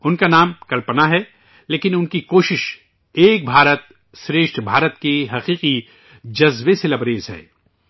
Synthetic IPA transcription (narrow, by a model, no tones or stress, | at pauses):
ʊnkanaːmkɐlpənaɦɛ | leːkɪnʊnkikoːʃɪʃ | eːk̚bʱaːɾət̪̚ | ʃɾeːʃʈbʱaːɾət̪keɦɐqiːqi | d͡ʒɐzʋeselɐbɾeːzɦɛ̰ː